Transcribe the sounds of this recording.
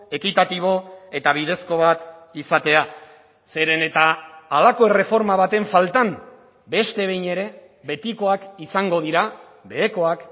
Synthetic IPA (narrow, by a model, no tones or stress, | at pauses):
e̞kit̪at̪iβ̞o̞e̞t̪aβ̞ið̞e̞sko̞β̞at̪isat̪e̞a | se̞ɾe̞ne̞t̪aːlako̞e̞re̞fo̞ɾmaβat̪e̞ɱfalt̪am | be̞st̪e̞β̞e̞jɲe̞ɾe̞ | βe̞t̪iko̞akisaŋɡo̞ð̞iɾa | be̞ːko̞ak